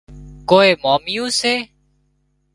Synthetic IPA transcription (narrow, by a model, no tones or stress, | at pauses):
koːeːmaːmɪjõːseː